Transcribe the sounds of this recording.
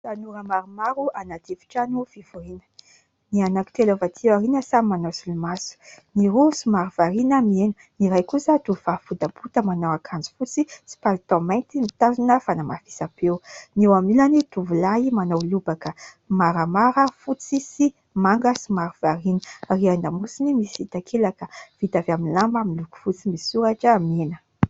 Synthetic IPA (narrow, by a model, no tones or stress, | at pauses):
sanuɾəmaɾumaɾuanad̪evi̥ʈ͡ʂanuvivuɾinə̥ | nianaki̥t̪elavat̪ʰiwaɾinəsamimanosulumasu̥niɾusimaɾuv̥aɾinəmienu | niɾajkusat̪uvafud̪aput̪əmanowakʰand͡zi̥fut͡sisi̥palit̪amajnt̪imit̪azinəfanamafi̥sapewnewamilanit̪uvulaimanawlubakə | maɾəmaɾəfut͡sisi | maŋɡəsimaɾuvaɾinərianamusinimisit̪akʰelakəvit̪avaminlambaminluku̥fut͡simisuɾaʈ͡ʂəːmenə